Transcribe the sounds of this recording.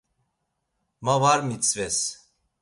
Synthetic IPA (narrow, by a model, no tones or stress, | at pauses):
mavaɾmit͡sʼvɛs